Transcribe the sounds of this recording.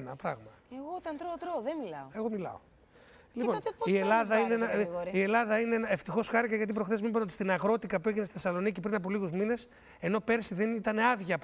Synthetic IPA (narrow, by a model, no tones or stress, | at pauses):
nɐpɾɐɣmɐ | eɣot̪ɐnt̪ɾot̪ɾoːðemilɐoe̞ɣo̞milɐ̰o̰ | liponielɐðɐineenɐie̞lɐðɐineenɐeft̪ixo̞sxɐɾikɐʝɐt̪ip̬ɾoxθe̞zmibent̪i̥st̪inɐɣɾo̞t̪ikɐpueʝinesi̥θesɐlo̞nicipɾinɐpoliɣuzmine̞s | e̞no̞pe̞ɾsiðe̞nit̪ɐne̞ɐðʝɐp